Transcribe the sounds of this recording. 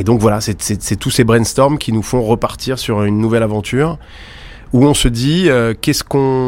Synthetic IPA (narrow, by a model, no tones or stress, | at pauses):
ed̪ɔ̃kvwalasɛsɛsɛt̪usebʁɛnst̪ɔʁmkʲinufɔ̃ʁəpaʁt̪ʰiʁsyʁynːuvɛlavɑ̃t̪ʰyːʁ | uɔ̃səd̪iøkʲɛskɔ̃